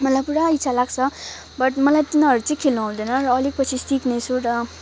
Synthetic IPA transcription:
mʌlajpuɽaitsʰalaɡt͡sʰʌ | bʌʈmʌlajt̪inʌɾut͡sʌĩkʰelnuɦũd̪ʌjnʌrʌːlik̚pʌt͡sʰisiknʌjt͡sʰuɾʌ

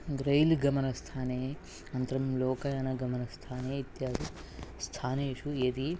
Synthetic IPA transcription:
ɡɾɐjlɡɐmɐnɐst̪ʰaːneː | ɐnt̪ɐɾɐmloːkɐjɐnɐɡɐmɐnɐst̪ʰaːneːit̪jaːd̪u | st̪ʰaːneːʂued̪i

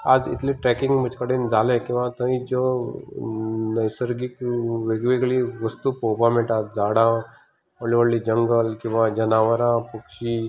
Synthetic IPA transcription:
aːd͡zɪ̰t̪liʈɾɛkɪ̃ŋɡmət͡ʃʰkəɽẽnd͡zaːlẽkĩw̃ʋãt̪ə̃ĩd͡ʒo | nɐjsəɾɡikʋeːɡʋeɡliʋəst̪upoːpãmẽʈaːt̪d͡zaːɽã | oliʋəɽlid͡ʒəŋɡəlkĩw̃ʋãd͡ʒɐnaːʋəɾãpukʃi

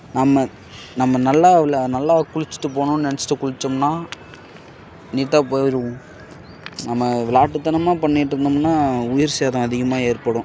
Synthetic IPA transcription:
nɐmːɐ | nɐmːɐnɐlːaːʋɪlanɐlːaːkʊɻɪt͡ʃːɪ̥ʈːɯp̬oːɳʊ̃nɛnɛt͡ʃːɪ̥ʈːɯkʊɻɪt͡ʃːɯmnaː | niːʈːaːpoːɪɾɯʊ̃ | nɐmːɐʋɪlaːʈːɯt̪ːɐnɐmaːpɐɳːɪʈːɾɯnd̪ɯmnːaːʊjɪɾseðʊ̃ɐðɪɣɐmaːeːɾpɐɽʊ̃

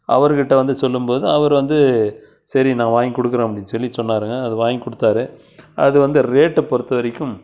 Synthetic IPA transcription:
ʔɐʋɐɾkɪʈːɐʋɐnd̪ɯsɔlːɯmpoːðɯɐʋɐɾʋɐnd̪ɯ | sɐɾinãːʋaːŋkɔɽɯkːɐɾẽːɐpɐɽɪnːsɔlːisɔnːaːɾɯŋɡɐːðɯʋaːjkɔɽɯt̪ːaːɾɯ | ʔɐðɯʋɐnd̪ɯɾeːʈːɯpɔɾɯt̪ːɐʋɐɾɐkːɯm

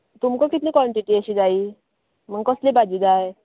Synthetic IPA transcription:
t̪umkəkit̪nĩːkʋɔɳʈiʈiəɕiːd͡zaiː | məɡkəslebad͡ʑiːd͡zaj

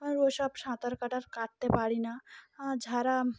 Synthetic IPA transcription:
mɐ̃ɾoʃapʃãːt̪əɾkɐʈəɾkaːʈ̚t̪epaːɽinaãd͡ʒʱaːɾa

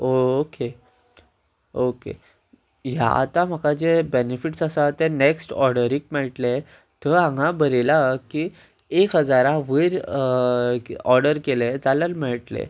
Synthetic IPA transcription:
oke | okḛ | ɦja̰a̰t̪ãm̤əkad͡ʑebenefiʈsasat̪eneksʈɔɾɽəɾiːk̚mɛɭʈle | t̪əãŋãbəɾelaki | ekɦəd͡zaɾãʋəɾ | ɔɾɖəɾkeled͡zaləɾmɛɭʈlḛ

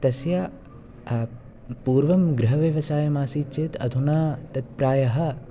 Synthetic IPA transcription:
t̪ɐsja | puːɾʋɐmɡɾɪɦɐʋjɐʋɐsaːjɐmaːsiːt͡ʃit̪ɐ̰d̪ʱunaːt̪ɐt̪̚pɾaːjɐɦɐ̆

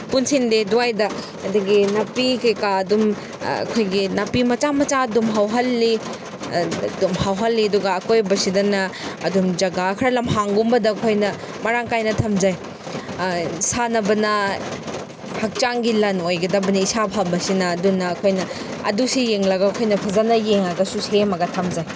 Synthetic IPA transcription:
punsindeduajdɐ | ɐdɐɡinɐpikɐjkaɐdum | ɐ̰kʰojɡinɐpimɐt͡ʃamɐt͡ʃaɐdumɦawɦɐlːi | dumhawɦɐlːiɐduɡaːkojbɐsidɐnɐːdumd͡ʒɐɡakʰɐɾɐlɐmɦaŋɡumbɐdɐkʰojnɐ | mɐɾaŋkajnɐtʰɐmd͡ʒaj | sanɐbɐnɐ | hɐk̚t͡ʃaŋɡilɐnojɡɐdɐbɐnɐisapʰambɐsinɐːdunɐːkʰojnɐ | ɐ̰dusijeŋlɐɡaːkʰojnɐpʰɐzanɐjeŋaɡɐsusemɐɡɐtʰɐmd͡ʒaj

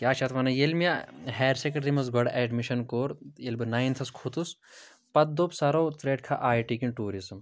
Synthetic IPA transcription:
kʲjaːt͡ʃʰɐt̪ʋɐnɐjelmijaɦɛːɾsekɐɖɾimɐsɡʱɐɽʔɛɖmiʃɐnkoːɾjelbɨnaːjint̪ʰɐskʰut̪us | pɐt̪̚d̪opsɐɾoːt̪ɾeːɖ̚kʰaʔaːjʈikinʈuːɾizm

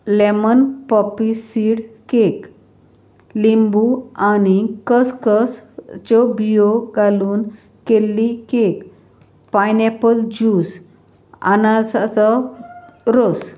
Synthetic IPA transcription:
lemənpɔpisiɽkek | limbuañikəskəst͡ɕɔbioɡaluːn | kelːikek | pajnɛpəld͡ʑus | a̰nasaɔ | ɾos

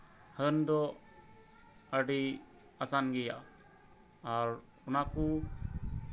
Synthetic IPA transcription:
hənd̪ɔ | əɖi | asanɡɛja̰ | ɾ | unaku

